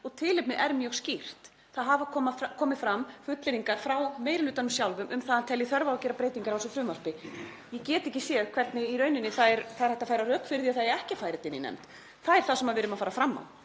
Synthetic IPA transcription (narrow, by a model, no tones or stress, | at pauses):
ɔɣt̪ʰɪːlɪpnɪʔɛɾmjœɣscir̥t̪ | θaðɦavakʰɔmakʰɔːmɪfɾamfʏt̪lɪɾiŋkaɾ̥fɾawmeːjɾɪlʏːt̪anʏmsjawlvʏmʔʏmθaðhant̪ʰɛlːɪθœɾvaɾawcɛːɾapɾeːjt̪iŋkaɾalsɔfɾʏmvaɾspɪ | jɛcɛːt̪ɪɛcɪsjɛɣkʰv̥ɛɾt̪nɪiɾœːɥnɪnːɪθaðɛɾθaðɾ̥hɛht̪afaːjɾarœːkfɪɾðiaðθaðjɛɛhcɪfajɾɪt̪ɪnːɪ̰nɛ̰mt̪ | θaðɛɾ̥θasɛmaðvɪːɾʏmaðfaːɾafɾamːa̰w